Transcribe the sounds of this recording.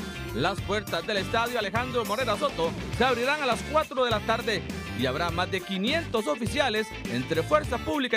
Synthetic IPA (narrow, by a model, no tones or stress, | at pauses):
laspwe̞ɾt̪azðele̞st̪aðjoalexand̪ɾo̞mo̞ɾe̞ɾaso̞t̪o̞ | seaβ̞ɾiɾaŋalaskwat̪ɾoðe̞lat̪aɾðe̞ | iaβɾamazd̪e̞kinje̞nt̪o̞so̞fisjale̞sḛnt̪ɾe̞fwe̞ɾsapuβlika